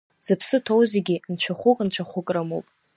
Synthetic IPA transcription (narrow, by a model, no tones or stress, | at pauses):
z̥ɨpʰsɨtʰowzeɡʲint͡ʃʷʰaχʷʊkʼnt͡ʃʷʰaχʷʊkʼrɨmowpʼ